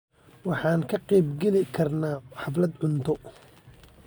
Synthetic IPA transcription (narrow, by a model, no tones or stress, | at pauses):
wɑħɑːŋkʰɐqɛjbɡɛlɪkʰɐrnaːħɑflɐd̪ʕʊnt̪ʰɔ